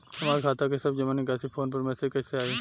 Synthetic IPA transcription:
t̪ɐmaːɾkʰaːt̪akesɐbd͡ʒɐmaːnik̬ɛːsipʰoːnpɐɾmɛːsekɛːseaːeː

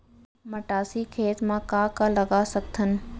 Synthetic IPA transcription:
mɐʈaːsikʰeːt̪mãkaːkãlɐɡasɐk̚t̪ʰənɪ̆

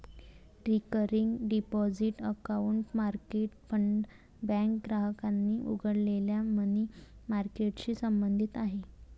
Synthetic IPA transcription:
ɾikəɾiŋɡɖipɔd͡ziʈəkauɳʈmaɾkeʈ̚fəɳɖ | bɛ̃ŋkɡɾaɦəkanːiːʔṵɡʱəɽleljamənimaɾkeʈɕiːsəmbənd̪ʱit̪aɦe

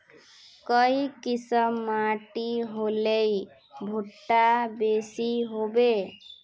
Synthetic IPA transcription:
kəikɪsəmːaʈiɦolei | bʱuʈːabesiɦobe

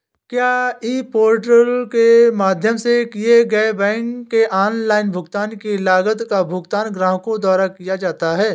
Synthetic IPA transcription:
kjaːiːpoːɾʈəlkemaːd̪ʱjəmsekijeɡɐebɛ̃ːŋkːeʔaːnlaːɪnbʱʊɡt̪aːnkilaːɡət̪kabʱʊɡt̪aːnɡɾãːɦkõd̪aːɾakijad͡ʒaːt̪aɦɛː

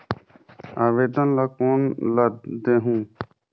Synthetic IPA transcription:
aːʋeːd̪ənlakonlad̪d̪eɦũː

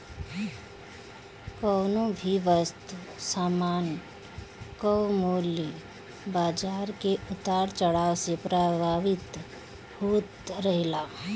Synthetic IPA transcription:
kɔːnõbʱiʋəst̪saːmaːn | kɔwmoːli | baːd͡ʒaːɾkeʔʊt̪aːɾt͡ʃəɽaːʋsepɾaːbʱaːʋɪt̪ | hoːt̪ɾəɦɪlaː

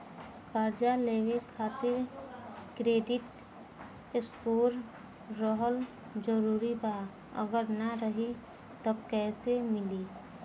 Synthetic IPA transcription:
kaːɾd͡ʒaleːwekʰaːt̪ɪɾ | kɾeːɖɪʈ | ɪskuːɾː | ɔɦəl | d͡ʒəɾuːɾibaː | ə̰ɡəɾnəɾəɦi | t̪okɛːsemɪliː

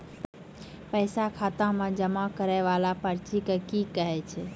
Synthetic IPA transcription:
pəɪsakʰat̪ãmẽd͡ʒəmakəɾɛʋalapəɾt͡ʃikekikəɦɛt͡ʃʰɛ

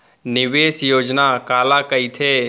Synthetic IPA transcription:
nɪʋeːsjoːd͡ʒnakaːlakəit̪ʰe

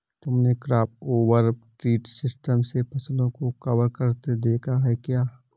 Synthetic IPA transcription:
t̪ʊmnekɾaːp̚oːʋəɾʈɾiːʈsɪsʈəmsepʰɐslõkokɐʋəɾkɐɾt̪ed̪eːkʰaɦɛkjaː

